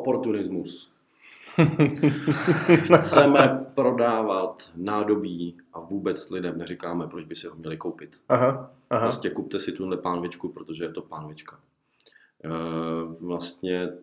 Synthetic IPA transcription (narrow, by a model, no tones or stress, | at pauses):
opo̞ɾt̪unɪzmus | xt͡sɛmɛpɾo̞daːvat̪naːdo̞biːʔavuːbɛt͡slɪdɛmnɛɾɪkaːmɛpɾod͡ʒbɪsɪɦomɲɛlɪkowpɪt̪aɦa | ɦɾoscɛkup̚t̪ɛsɪt̪udlɛpaːnovɪt͡ʃkupɾot̪o̞ʒɛjɛt̪o̞paːnovɪt͡ʃka | vlast̪ɲɛ